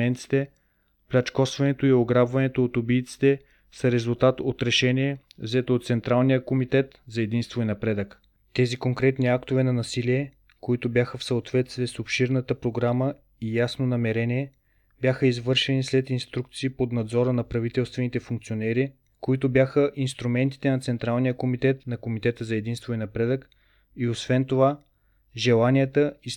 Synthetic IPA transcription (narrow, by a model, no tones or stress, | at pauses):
ɛnt̪si̥t̪ɛ | plʲat͡ʃkɔsvɐnɛt̪oioɡɾabvɐnɛt̪oːt̪obiːt̪si̥t̪ɛ | səɾɛzulˠt̪at̪ot̪ɾɛʃɛniɛvzɛt̪oːt̪sɛnt̪ɾalˠnijəkomit̪ɛt̪zɐɛd̪inst̪voinɐpɾɛd̪ək | t̪ɛzikoŋkɾɛt̪niakt̪ovɛnɐnɐsiliɛ | koit̪obʲjaxəfsəot̪vɛt̪st̪viɛsopʃiɾnət̪əpɾoɡɾamə | ijasnonɐmɛɾɛniɛ | bʲjaxəizvɤɾʃɛnislɛt̪inst̪ɾuk̚t̪siːpod̪nɐd̪zɔɾənɐpɾɐvit̪ɛlˠst̪vɛnit̪ɛfuŋk̚t̪sionɛɾi | koit̪ʊbjaxəʔinst̪ɾumɛnt̪i̥t̪ɛnɐt̪sɛnt̪ɾalˠnijəkomit̪ɛt̪nɐkomit̪ɛt̪əzɐɛd̪inst̪vʊinɐpɾɛd̪ək | iosvɛnt̪ova | ʒɛlˠanijət̪əi